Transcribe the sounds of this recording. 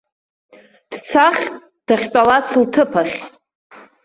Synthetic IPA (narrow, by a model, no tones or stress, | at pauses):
d̥t͡sʰaχʲ | d̥aχʲt͡pʷʼalat͡sʰltʰɨpʰaχʲ